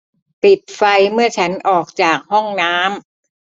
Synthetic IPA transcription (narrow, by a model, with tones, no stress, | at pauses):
pi˨˩t̪̚fa˧jmɯ˥˩ɐt͡ɕʰa˦˥nʔɔː˨˩k̚t͡ɕaː˨˩k̚hɔ˥˩ŋnaː˦˥m